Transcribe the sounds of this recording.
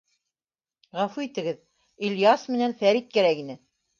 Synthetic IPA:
ʁɑfuit̪ɘ̆ɡɘð | ilʲjɑsmɘ̆nænfæɾit̪̚kæɾækinɘ

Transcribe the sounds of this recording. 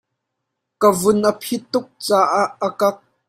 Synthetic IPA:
kəvʊnʔəpʰit̪ːʊk̚t͡saːʔaʔːəkɐk̚

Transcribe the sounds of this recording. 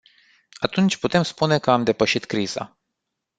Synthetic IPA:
at̪unt͡ʃʲput̪e̞mspune̞kəamd̪e̞pəʃit̪kɾiz̥a̰

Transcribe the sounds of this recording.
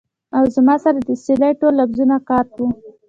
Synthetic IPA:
awzmɑsaɾad̪əselajʈolːafzunakɑɾkwu

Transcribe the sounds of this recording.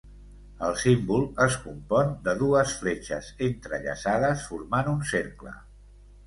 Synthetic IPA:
əlˠsimbulˠəskumpɔnd̪əðuəsflet͡ʃə̰zent̪ɾə̰ʎə̰saðəsfuɾmanunseɾklə̰

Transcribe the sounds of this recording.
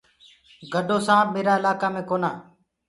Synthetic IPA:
ɡəɖʱoːsãːbmeːɾaːɪlaːkaːmẽːkoːnaː

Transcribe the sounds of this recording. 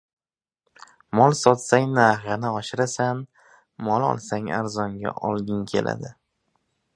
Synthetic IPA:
mɒlˠsɒt̪saŋnaɦɪnɪɒʃɪɾasan | mɒlˠɒ̰lˠsaŋa̰ɾzɒŋɡʲa̰ʔɒlˠɡʲɪŋkʲʰe̞̰lʔa̰d̪ɪ

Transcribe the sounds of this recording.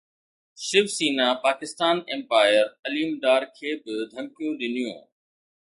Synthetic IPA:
ʃɪʋsiːnaːpaːkɪst̪aːnɛ̃mpaːɪəɾɐliːʊmɖ̪aːɾkʰeːbɪd̪ʱə̃ŋkɪjõːɗɪnɪjõ̰ː

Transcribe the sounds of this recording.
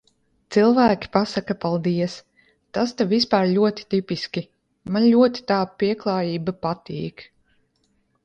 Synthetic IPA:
t̪silˠvæːkʲi̥pasakapalˠd̪iɛs | t̪ast̪avispaːɾʎʲuɔt̪i̥t̪ipiskʲi | manlʲuɔt̪i̥t̪aːpiɛklˠɑːjiːbapat̪ḭːk

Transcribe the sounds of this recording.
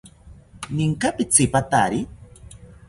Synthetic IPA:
niŋkapɪt͡sɪpat̪a̰ɾi

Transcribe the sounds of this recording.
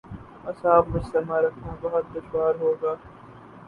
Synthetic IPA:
ɐsaːbmɐt͡ʃt̪ɐmaːɾɐkʰnabɐɦʊt̪̚d̪ɐʃwaːɾɦoːɡaː

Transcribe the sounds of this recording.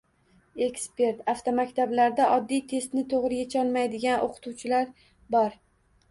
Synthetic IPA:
e̞kspe̞ɾt̪aft̪omakʲt̪ʰablaɾd̪aʔɒd̪ːijt̪ʰe̞st̪nɪt̪ʰoʁɾɪjet͡ʃʰɒlˠmajd̪ɪɡʲano̰qʰʊ̥t̪ʰuwt͡ʃʰɪlaɾ | bɒɾ

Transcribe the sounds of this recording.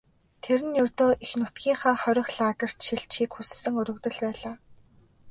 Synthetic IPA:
t̪ʰeɾɘ̆njɵrt̪oːʔixnʊt̪ɡʲiːŋχaːχœɾʲɪ̆xɮaːkə̆r̥t̪ʃiɮt͡ɕʰiːkxussɘ̆ŋɵɾɵ̆kt̪ɵ̆ɮpæːɮaː

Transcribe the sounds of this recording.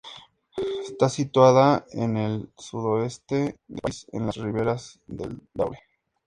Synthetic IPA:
est̪asit̪waðaḛnelsuðoe̞st̪e̞d̪esḛnlasriβe̞ɾazðḛld̪a̰wle

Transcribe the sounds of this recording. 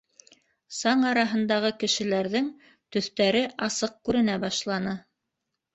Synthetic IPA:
sɑɴɑɾɑɦɤ̆nd̪ɑʁɤkɘ̆ʃɘ̆læɾðɘŋ | t̪ɵ̆θt̪æɾɘʔɑsɤq̚kʉɾɘ̆næbɑʃlˠɑnɤ

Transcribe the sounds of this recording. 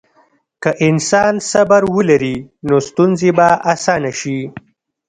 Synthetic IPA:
kaʔɪnsɑːnsabaɾwəlaɾinost̪unzebaʔasɑːnaʃi

